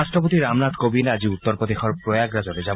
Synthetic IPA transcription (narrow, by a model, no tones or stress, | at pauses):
aʃʈɾɔpot̪iɾamnat̪kobinad͡ʑiut̪ːɔɾpod̪ikʰɔɾpɾojaɡɾad͡ʑoɾed͡ʑa